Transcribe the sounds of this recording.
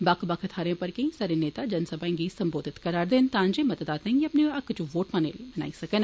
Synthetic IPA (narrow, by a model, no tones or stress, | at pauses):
bakʰbɐkʰɐt̪ʰaːɾẽːpɐɾkɐ̃ĩsaːɾeneːt̪ad͡ʒɐnsɐbʱãŋɡisɐmboːd̪ʱɪt̪kɐɾaːɾd̪ent̪ãːnd͡ʒemɐt̪əd̪aːt̪ẽŋɡiɐpneɐkːt͡ʃuʋoːʈmanḛlimɐna̰ːisɐkən